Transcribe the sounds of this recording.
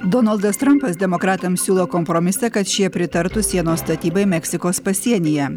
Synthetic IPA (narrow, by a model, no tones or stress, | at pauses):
d̪ɔnɐlˠd̪ɐst̪ɾɐmpɐsd̪ʲɛmokɾɑːt̪ɐmsʲuːlˠoːkɔmpɾomʲɪsɐkɐt̪ʃʲiɛpʲɾʲɪt̪ɐɾt̪ʊsʲiɛnoːst̪ɐt̪ʲiːbɐɪmʲɛksʲɪkoːspɐsʲiɛnʲɪjɛ